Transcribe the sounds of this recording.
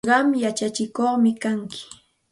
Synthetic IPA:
ɢɑmjat͡ʃat͡ʃɪkoχmɪkaŋkʰɪ̥

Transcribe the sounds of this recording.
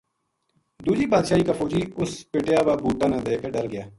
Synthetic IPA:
d̪uːd͡ʒiːbaːd̪ʃaːiːkaːfoːd͡ʒiːʊspeʈjaːbaːbuːʈaːnãːd̪eːkeɖəɾɡɪjaː

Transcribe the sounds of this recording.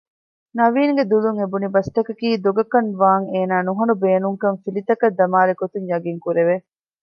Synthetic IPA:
nɐʋiːŋɡed̪uluŋebunibɐst̪ɐkɐkiːd̪oɡɐkɐnʋaːŋeːnaːnuɦɐnubeːnuŋkɐŋfilit̪ɐkɐd̪ːɐmaːlekot̪uɲjɐɡiŋkuɾeʋe

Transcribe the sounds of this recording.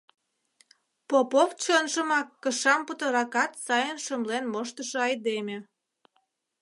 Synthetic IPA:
popoft͡ɕonʃəmɑkːəʃɑmput̪əɾɑkɑt̪sɑjənʃəmlenmoʃt̪əʃoɑjd̪emʲe

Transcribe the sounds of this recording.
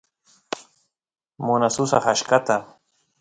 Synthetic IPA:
mʊnasʊsa̰χaʃkat̪a

